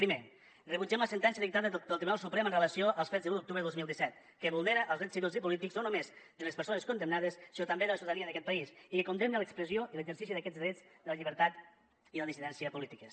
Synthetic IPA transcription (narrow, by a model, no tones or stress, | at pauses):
pɾime | rəβud͡ʒɛmləsənt̪ɛnsiəðik̚t̪aðəðlt̪ɾiβunalˠsupɾɛmənrələsioʔəlˠsfɛzðəlut̪uk̚t̪uβɾəðozmilˠd̪isɛt̪̚ | kəβulˠneɾəʔːlˠzðɾɛt͡ssiβilzipulit̪ikznonomezd̪əlespəɾsonəskund̪əmnaðəsːinot̪əmbeðələsuðəðəniəðəkɛt̪̚pɐisikekund̪emnələkspɾəzioʔiləɡzəɾsisiðəkɛd͡zzðɾɛd͡zd̪ələʎiβəɾt̪at̪ | iləðisiðɛnsiəpulit̪ikəs